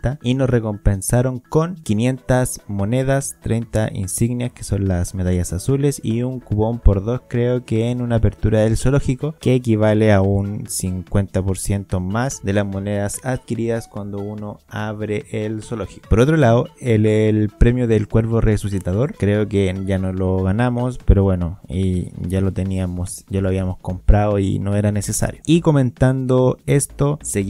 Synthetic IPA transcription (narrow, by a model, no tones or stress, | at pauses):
t̪aino̞sre̞ko̞mpe̞nsaɾo̞ŋko̞nkinje̞nt̪asmo̞ne̞ðast̪ɾejnt̪aʔḭnsiɣnjaskeso̞nlasme̞ðaʝasasule̞siuŋkuβo̞mpo̞ɾðo̞skɾe̞okeːnunaːpe̞ɾt̪uɾaðe̞lso̞lo̞xikoke̞ːkiβaleaunsiŋkwe̞nt̪apo̞ɾsje̞nt̪o̞masd̪e̞lazmo̞ne̞ðasaðkiɾiðaskwand̪o̞uno̞aβɾeʔelsoloxi̥kopoɾo̞t̪ɾolaðoelelpɾe̞mjoðelkwe̞ɾporʔesusit̪að̞o̞ɾkɾe̞oke̞ʝanoloɣanamo̞spe̞ɾo̞βwe̞no̞iʝalot̪e̞niamosɟ͡ʝaloaβiamosko̞mpɾaðoḭno̞e̞ɾane̞se̞sa̰ɾjoiko̞mẽ̞nt̪and̪oest̪o̞seɣ